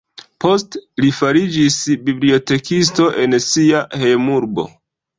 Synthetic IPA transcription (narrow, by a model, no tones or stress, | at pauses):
po̞stlifaɾid͡ʒisbiblio̞te̞kis̬to̞ʔe̞nsiahejmuɾbo̞̰